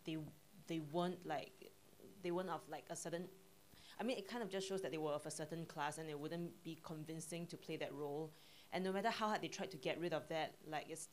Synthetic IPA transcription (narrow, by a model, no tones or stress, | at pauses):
de | dewə̃ntlaɪk̚ | dewə̃ntɔflaɪkəsətə̃n | ʔaɪmĩnɪt̚kʰãɪ̃ndɔfd͡ʒasʃoʊsdðɛt̚d̪ewəɔvəsətə̃nkʰlasɛ̃ndɪwʊdə̃nb̥ikʰɔ̃nvɪ̃nsɪ̃ŋtupʰl̥edɛt̚ɹol | ʔɛ̃nːomɛtəhaʊhɛd̚etʰɹaɪd̚tʰːuɡɛt̚ɹɪɾɔfðɛt̚laɪkɪts